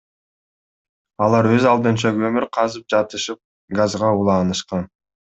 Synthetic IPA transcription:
ɑlˠɑɾwø̞zɑlˠd̪ɯnt͡ʃɑɡømyɾqʰɑzɯp̚d͡ʒɑt̪ɯʃɯp̚ | ɡazʁɑulˠɑːnɯʃqɑn

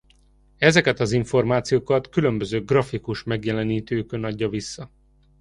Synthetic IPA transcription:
ɛzɛkɛt̪ɒziɱfo̞rmaːt̪sijoːkɒt̪kylø̞mbø̞zøːɡrɒfikuʃmɛɡjɛlɛniːt̪øːkønɒɟːɒvisːɒ

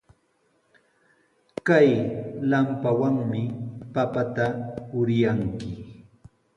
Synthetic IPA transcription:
kajlampawaŋmɪpapat̪apʊɾjaŋkɪ

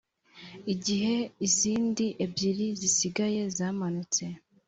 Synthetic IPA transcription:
iɟiɦe̞iziːndiʔebɟiɾizisiɡaje̞zaːmanut͡se̞

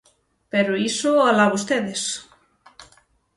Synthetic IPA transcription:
peɾoisoalaβost̪eðes

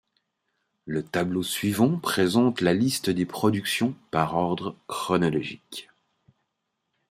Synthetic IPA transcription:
lət̪ablosɥivɑ̃pχezɑ̃t̪lalist̪əd̪epχɔd̪yksjɔ̃paʁɔʁd̪ʁəkχɔnɔlɔʒik

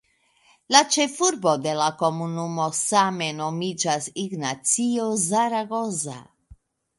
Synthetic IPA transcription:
lat͡ʃe̞fuɾbo̞d̪e̞lako̞munumo̞same̞no̞mid͡ʒasiɡnat͡siozaɾaɡo̞za̰

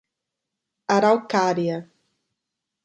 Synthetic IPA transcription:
aɾawkaɾja

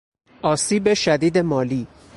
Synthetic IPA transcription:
ɒːsiːbe̞ʃæd̪iːd̪e̞mɒːliː

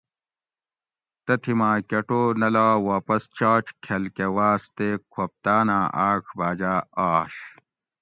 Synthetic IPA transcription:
t̪ɐt̪ʰimaːkɐʈoːnɐlaːwaːpɐst͡ɕaːʈ͡ʂkʰelkewaːst̪ekʰop̚t̪aːnaːʔaːkʰbaːd͡ʑaːaːɕ

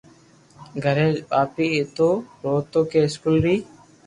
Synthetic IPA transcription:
ɡʱəɾeːpaːpiːɪt̪oːɾoːt̪oːkeːɪskuːlɾiː

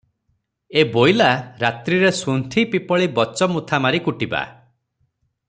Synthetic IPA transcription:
ebojlaɾat̪ɾiɾesunt̪ʰipipɔɭibɔt͡ʃɔmut̪ʰamaɾikuʈiba̰

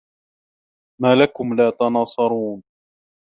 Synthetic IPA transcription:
maːlakʊmlaːt̪ɑnɑːsˤɑɾˤuːn

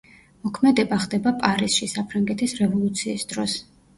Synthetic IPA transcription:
mɔkʰmɛd̪ɛbaχd̪ɛbapʼaɾisʃisapʰɾaŋɡɛt̪ʰisɾɛvɔlˠut̪sʰiːsd̪̥ɾɔs

